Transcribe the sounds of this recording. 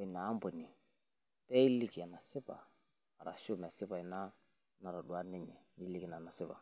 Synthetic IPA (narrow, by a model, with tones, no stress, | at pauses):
i˨naː˨˦mbɔ˨ni˨ | pɛ˦i˦li˦˨ki˨a˨na˨sɪ˦pa̰˨ | a˨ɾa̰˨ʃu˦m˨ɛ˨sɪ˦pa˨i˨na˦ | na˨ɾɔ˨dwa˦nɛ˦ɲɛ˨ni˦li˦ki˨na˨na˨sɪ˦pa̰˨